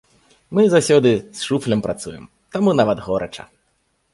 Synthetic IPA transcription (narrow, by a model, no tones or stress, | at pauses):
mɨzawsʲɔd̪ɨsʂuflʲɐmpɾʔat̪sujɛm | t̪amunavɐd̪ɣɔɾɐ̰t͡ʂɐ̰